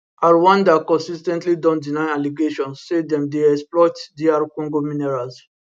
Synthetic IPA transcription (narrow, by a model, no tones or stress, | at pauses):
aɹwãndakɔ̃nsistɛ̃ntlidɔ̃ndinãnaliɡeʃɔ̃nsːedɛ̃mdeɛksplɔtdiaɹkɔ̃ŋɡomĩnɛɹals